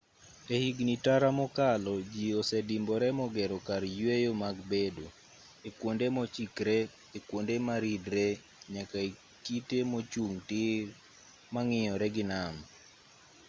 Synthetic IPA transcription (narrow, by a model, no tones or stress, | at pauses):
ehiɡnitaɾamɔkalɔd͡ʒiosɛdimbɔɾɛmɔɡɛɾɔkaɾjwejomaɡbedo | ekwondemɔt͡ʃikɾɛ | ekwondemaɾidɾɛ | ɲakae | kitemot͡ʃuŋtɪ | maŋɪjɔɾɛɡɪnam